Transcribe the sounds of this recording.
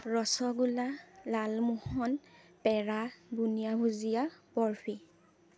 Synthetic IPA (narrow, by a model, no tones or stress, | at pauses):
ɹɔsɔɡulalalmuhɔnpɛɹabunijabuzijabɔɹpʰi